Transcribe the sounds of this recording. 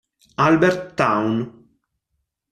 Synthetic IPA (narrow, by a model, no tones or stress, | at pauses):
albɛɾt̪ːawn